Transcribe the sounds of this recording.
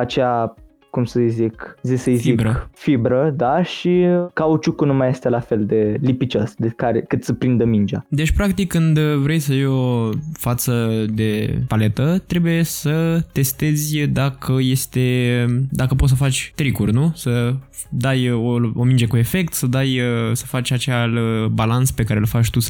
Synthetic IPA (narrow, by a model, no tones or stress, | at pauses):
at͡ʃea | kumsəjzikzisəjzibɾəfibɾəd̪aʃikaut͡ʃukunumaje̞st̪e̞lafe̞ld̪e̞lipit͡ʃosd̪ekaɾḛkɨt̪səpɾind̪əmind͡ʒa̰d̪e̞t͡ʃʲpɾak̚t̪ikkːɨnd̪vɾe̞jsəjiofat̪səd̪e̞pale̞t̪ət̪ɾe̞buje̞sət̪e̞st̪e̞zʲd̪akʰəje̞st̪e̞d̪akəpot̪səfat͡ʃʲt̪ɾikurʲnusə | d̪ajoomind͡ʒekue̞fe̞k̚t̪səd̪ajsə̥fat͡ʃʲat͡ʃealbalansə̥pe̞kaɾelfat͡ʃʲt̪us